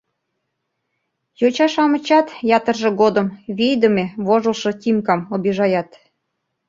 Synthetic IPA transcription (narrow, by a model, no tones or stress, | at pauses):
jot͡ɕɑʃɑmə̆t͡ɕɑt̪jɑt̪ərʒĕɣod̪əmβijd̪əmeβoʒəlʃɤ̆t̪ʲimkɑmobiʒɑjɑt̪